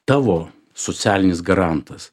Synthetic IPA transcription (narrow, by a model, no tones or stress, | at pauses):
t̪ɑːʋoː | soːt̪sʲæːlʲɪnʲɪsɡɐɾɑnt̪ɐs